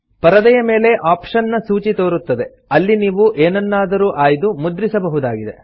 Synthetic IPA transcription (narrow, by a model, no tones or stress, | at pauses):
pɐɾɐd̪ɐjɐme̞ːle̞ʔaːpʂɐnːɐsuːt͡ʃit̪o̞ːɾut̪ːɐd̪e̞ | ɐlːiniːʋuʔeːnɐnːaːd̪ɐɾuːʔaːjd̪umud̪ɾisɐbɐɦud̪aːɡid̪e̞̰